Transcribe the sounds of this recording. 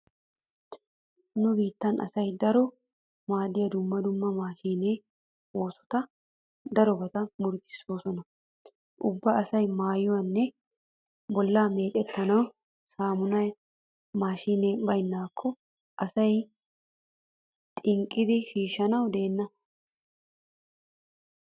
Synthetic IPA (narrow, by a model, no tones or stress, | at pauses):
nʊbiːt̪ːɐnʔɐ̰sɐjd̪ɐɾɔ | maːd̪ɪjɐd̪ʊmːɐd̪ʊmːɐmaːʃiːneː | o̞ːsɔ̥t̪ɐ | d̪ɐɾɔbɐt̪ɐmʊɾt̪ɪ̥soːsɔnɐ | ʔʊbːɐɐsɐjmaːjɔwɐnːɛ | bɔlːaːme̞ːt͡ʃʼɛt̪ːɐnɐw | saːmʊnɐj | maːʃiːneːbɐjnːaːkʰːɔ | ʔɐsɐj | t̪ʼɪŋkʼːɪd̪ɪʃiːʃɐnɐwd̪e̞ːnːɐ